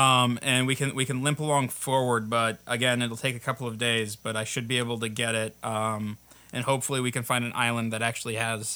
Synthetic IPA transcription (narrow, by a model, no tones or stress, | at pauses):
ʌ̃mɨ̃nwikɨ̃nwikɨ̃nlɪ̃mpəlɔ̃ŋfɔɹwə˞d̚bʌɾʔɨɡɛ̃nɨɾl̩ˠtʰeɪkɨkʰʌpl̩ˠʌvdeɪzb̥ʌɾaɪʃɨd̚bieɪbl̩ˠtɨɡɛɾɪt̚ʔʌ̃mʔɨ̃nhoʊpfl̩ˠiwikɨ̃n̩fãɪ̃ndɨ̃nʔa̰ɪlˠə̃nðɨɾæk̚t͡ʃʉl̩ˠiɨz̥